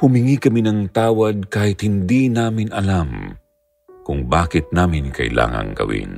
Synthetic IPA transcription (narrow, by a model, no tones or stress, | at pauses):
hʊmɪŋikɐminɐŋt̪aːwɐd̪̚kaːhɪt̪hɪnd̪inaːmɪnɐlam | kʊŋbaːkɪt̪̚naːmɪnkɐ̰ʔɪla̰ːŋɐ̰ŋɡɐ̰wḭn